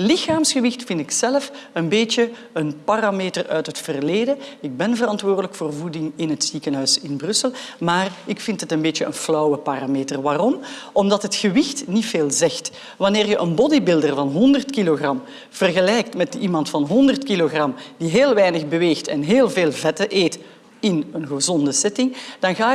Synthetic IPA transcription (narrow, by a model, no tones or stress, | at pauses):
lɪxaːmsxəʋɪxtfɪntɪksɛləfənbeːtjə | ənparameːtərœɥtɦətfərleːdəɪɡ̚bɛnvərɑntwoːrdələkfoːrvudɪŋɪnɦətz̥ikənɦœɥsɪnbrɵsəlˠmaːrɪkfɪntɦətənbeːtjəʔə̰nflɔwəpaːrameːtərʋaːrɔmɔmdɑtɦətxəʋɪxtnitfeːlˠzɛxt | ʋɑnɪːrjəʔənbɔdibɪlˠdərvɑnɦɔndərtkiloɣrɑm | v̥ərɣəlɛjktmɛtəʔimɑntfɑnɦɔndərtkiloɣrɑmd̥iɦeːlˠʋɛjnəɣbəʋeːxtɛnɦeːlˠveːlˠvɛtəʔeːt | ɪnənɣəzɔndəsɛtɪŋd̥ɑnɣaː